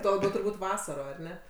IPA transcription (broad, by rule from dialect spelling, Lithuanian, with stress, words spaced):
ˈtuɔ lˠɐˈbʲɛʊ tʊrˈbuːtʲ ˈʋɑːsɐroː ɐr ˈnʲɛ